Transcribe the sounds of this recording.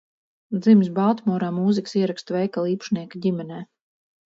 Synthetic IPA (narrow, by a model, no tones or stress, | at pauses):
d̪zims̬balˠt̪mɔːɾaːmuːziksiɛɾakst̪vɛjkalˠiːpʃniɛkadʲimʲɛnɛː